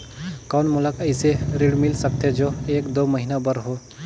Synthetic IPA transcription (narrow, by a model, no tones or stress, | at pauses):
kɔːnmʊləkəɪseɾiɽmɪlsək̚t̪ed͡ʒoːeːkd̪oːməɦinabəɾɦoː